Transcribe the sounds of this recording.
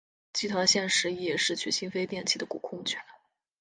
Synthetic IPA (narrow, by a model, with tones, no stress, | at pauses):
t͡ɕi˥˩t̪ʰwa˧˥nɕjɛ˥˩nʂɻ̩˧˥jɛ˨˩ʂɻ̩˥˩t͡ɕʰɥɛ˧˥˩ɕi˥ŋfe˥ɪt̪jɛ˥˩nt͡ɕʰi˥d̪ə˦kṵ˨˩kʰʊ˥˧ŋt͡ɕʰɥɛ˧˥n